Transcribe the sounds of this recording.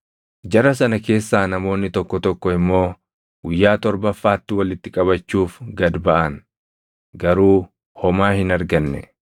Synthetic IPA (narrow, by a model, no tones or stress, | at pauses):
d͡ʒɐɾɐsɐnɐke̞ːsːaːnɐmo̞ːnːɪt̪ɔkːɔt̪ɔkːɔɪmːo̞ː | ɡ̥ʊjːaːt̪ɔɾbɐfːaːt̪ːɪwɐlɪt̪ːɪkʼɐβɐt͡ʃːuːfɡɐd̪bɐʔɐn | ɡɐɾuː | hɔmaːhɪnɐɾɡɐnːɛ̰